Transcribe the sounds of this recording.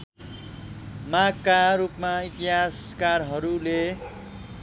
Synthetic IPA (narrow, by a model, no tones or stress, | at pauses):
maɡ̚kaɾupmait̪iɦaskarɦʌɾule